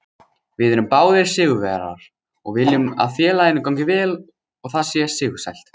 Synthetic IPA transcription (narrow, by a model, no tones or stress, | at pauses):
vɪðɛɾʏmpaːwðɛɾ̥sɪːɣʏvɛ̰ɾa̰ɾ̥ | ɔɣvɪljʏma̰ðfjɛːlajɪnːɪkawɲcɪvɛːl | ɔɣθaðsjɛsɪːɣʏ̥sa̰jl̥t̪